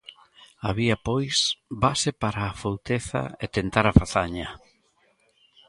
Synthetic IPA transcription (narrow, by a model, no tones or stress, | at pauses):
aβiɐpojsbasepaɾaːfowt̪eθa̰et̪ent̪aɾafaθaɲɐ